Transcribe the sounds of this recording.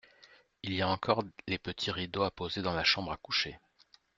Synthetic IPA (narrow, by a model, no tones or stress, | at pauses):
iliaɑ̃kɔʁlepət̪ʰiʁid̪oapozed̪ɑ̃laʃɑ̃bʁakuʃe